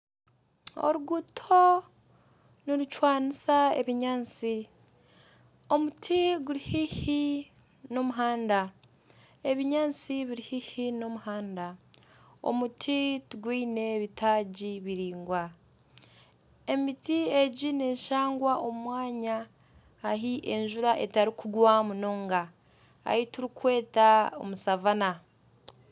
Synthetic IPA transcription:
o̰ɾuɡutʰo̞ | niɾut͡ʃwaːnisaḛβiɲaːt͡si | o̞mutʰiɡuɾihihi | no̞muɦaːnda | e̞βiɲaːnt͡siβiɾihihino̞muhaːnda | o̰mutʰituɡwiːne̞βitʰaːɟiβiɾiːŋɡwa | e̞mitie̞ɟine̞ːʃaːŋɡwaʔo̞mwaːɲaː | ɦiʔeɲʒuɾaʔe̞taɾikuɡwamunoːŋɡa | a̰hituɾikwe̞ːtao̰musavana

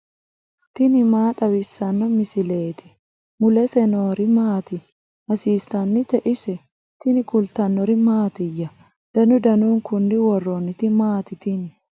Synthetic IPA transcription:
t̪ɪnɪmaːt̪ʼɐwɪsːɐnːɔmɪsɪle̞ːt̪ʰɪ̥ | mʊlɛsɛnoːɾɪmaːt̪ɪ | hɐsiːsɐnːɪt̪ɛʔɪsɛ | t̪ɪnɪkʊlt̪ɐnːɔɾɪmaːt̪ɪjːɐ | d̪̥ɐnʊd̪ɐnuːŋkʊnːɪwɔrːɔnːɪt̪ɪmaːt̪ɪt̪ɪnɪ

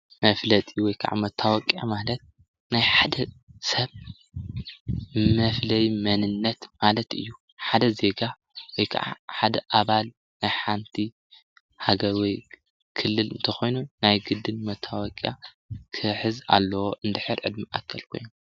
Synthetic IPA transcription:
mɐflɐt̪ʼiwɔjkʰɐʕa̰mɐt̪ʰːawɔkʼjamalɐt̪̚ | najħad̪ɐsɐβ | mɐflɐjmɐnɨnːɐt̪malɐt̪ɨ̰jːu | ħad̪ɐze̞ɡa | wɔjkʰa̰ʕa̰ħad̪ɐʔaβal | najħant̪ʰi | haɡɐɾwɔj | kʰɨlːɨlɨnt̪ʰɐxo̞jnunajɡɨd̪ːɨnmɐt̪ʰːawɔkʼja̰ | kʰɨħɨza̰lːɐwoʔɨnd̪ɨħɨɾʕɨ̰d̪miʔakʰːɐlkʰo̞jom

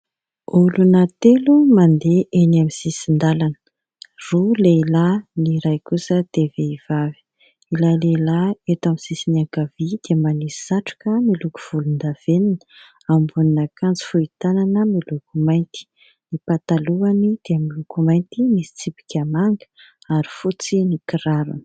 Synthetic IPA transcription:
ulunat̪elumand̪eʔenamisisind̪alanə̥ | ruleilaniɾajkusəd̪̥eveiv̥avi̥ | ilalelaet̪amisisinaŋkavid̪̥eəmanisaʈ͡ʂu̥kəmiluku̥v̥ulund̪av̥enin | ambuninakand͡zi̥fuit̪ananəmilukumajnt̪i̥ | nipat̪aluanid̪̥eamilukumajnt̪imisi̥t͡sipi̥kʲamaŋɡə̥ | aɾi̥fut͡sinikiɾaɾṵn̥

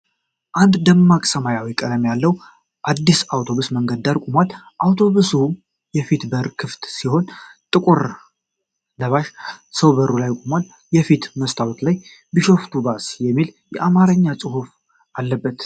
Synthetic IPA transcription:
ʔand̪d̪əmːakʼsəmajawikʼəd̪əmjalːəw | ʔad̪ːisawt̪ʰo̞βusməŋɡəd̪ːaɾkʼumwal | ʔawt̪ʰo̞βusu | jɛfit̪bəɾkʰɨft̪siho̞nt̪ʼɨkʼuɾ | ləβaʃsəwbəɾulajkʼumwal | jɛfit̪məst̪ʰawt̪laj | bɨʃo̞ft̪ʰubasjɛmːiljɛʔamaɾəɲːat͡sʼɨhuf | ʔalːəbːət̪

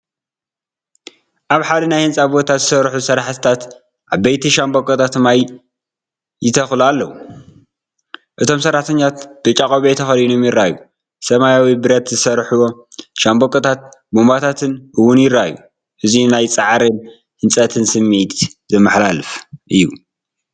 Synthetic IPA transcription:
ʔaβħad̪ɨnajhɨnt͡sʼabo̞t̪ʰazɨsɐɾħusɐɾaħt̪ʰɨ̥t̪ʰat̪ | ʔaβbejt̪ʰiʃambokʼot̪ʰat̪maj | jɪt̪ʰɐxlualːɐwu | ʔɨt̪ʰo̞msɐɾːaħt̪ʰɐɲːat̪d̪̥ɨt͡ʃʼakʼoβet̪ʰɐxɐlinomjɪɾaju | sɐmajawibɨɾɐt̪zɨsɐɾħuwo̞ | ʃambokʼːɐt̪ʰat̪̚bombat̪ʰat̪ʰɨnʔɨwːʊnjɪɾaju | ʔɨzinajt͡sʼaʕɾɨn | hɨnt͡sʼɐt̪ʰɨnsɨmːit̪zɨmːɨħlalɨfʔɨjːu

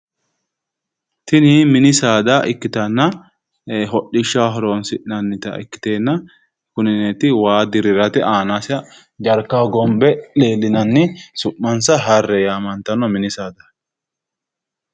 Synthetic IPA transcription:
t̪ɪnɪmɪnɪsaːd̪aʔɪkːɪt̪ɐnːɐ | ɦɔɗːɪʃːaːɦɔɾoːnsɪʔnɐnːɪt̪ɐ̰ʔɪ̰kːɪ̥t̪e̞ːnːɐ | kʊnɪneːt̪ɪwaːd̪ɪɾɪɾɐt̪ɛʔaːnasɐ | d͡ʒɐɾkːaːɡɔmbɛle̞ːlːɪnɐnːɪsʊʔːɐnsɐɦɐrːɛjaːmɐnt̪ɐnɔmɪnɪsaːd̪ɐ

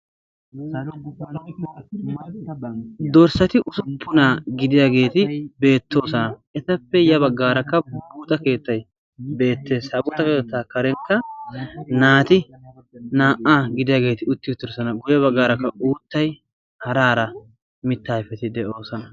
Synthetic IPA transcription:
d̪ɔɾsɐt̪ɪʔʊsʊpːʊnaːɡɪd̪ɪjaːɡe̞ːt̪ɪbe̞ːt̪ːo̞ːsɐnɐʔɛt̪ɐpːɛjɐbɐɡːaːɾɐkːɐbuːt̪ʼɐke̞ːt̪ːɐj | be̞ːt̪ːe̞ːshɐbuːt̪ɐkeːt̪ːaːkɐɾɛŋkːɐ | naːt̪ɪ | naːʔaːɡɪd̪ɪjaːɡe̞ːt̪ɪʊt̪ːɪʊt̪ːɪɾsɐnɐɡʊjɐβɐɡːaːɾɐkːɐuːt̪ːɐj | hɐɾaːɾɐ | mɪt̪ːaːɪfɛt̪ɪd̪ɛʔoːsɐnɐ

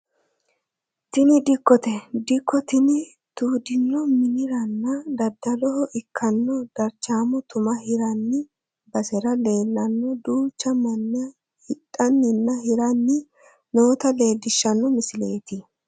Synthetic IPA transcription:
t̪ɪnɪd̪ɪkːɔt̪ɛd̪ɪkʰːɔt̪ɪnɪ | t̪uːd̪ɪnːɔmɪnɪɾɐnːɐd̪ɐd̪ːɐlɔhɔʔɪkʰːɐnːɔd̪̥ɐɾt͡ʃːaːmɔt̪ʊmɐhɪɾɐnːɪ | bɐsɛɾɐle̞ːlːɐnːɔd̪uːt͡ʃːɐmɐnːɪɐ | hɪtʼːɐnːɪnːɐhɪɾɐnːɪ | noːt̪ɐle̞ːlːɪʃːɐnːɔmɪsɪleːt̪ɪ

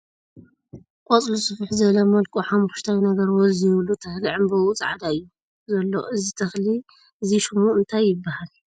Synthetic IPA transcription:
kʼɔt͡sʼlusɨfɨħzɨβlɐmɐlkʼuħamuʃt̪ʰajnɐɡɐɾwoɔzijβlut̪ʰɐxliʕɨmbɐwut͡sʼʕad̪aɨjːu | zɐlːo̰ʔɨzit̪ʰɐxli | ʔɨziʃɨmuɨnt̪ʰajːɪbːahal

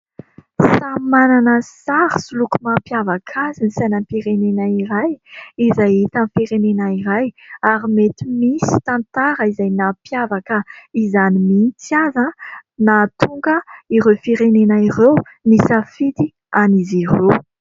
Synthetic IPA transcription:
samananəsaɾisulukumampjavakʰazinisanampiɾenenaiɾajizajit̪amfiɾenenaiɾajaɾimet̪imisi̥t̪ãnt̪aɾəizajnapjavakəizanimint̪azãnat̪uŋɡəiɾefiɾenenairew | nisafit̪i | anizirew

